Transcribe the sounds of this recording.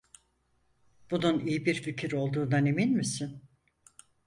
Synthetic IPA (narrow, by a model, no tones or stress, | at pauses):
b̥ununijibiɾficʰiɾo̞lˠd̪uːnd̪aneminʲmisɪn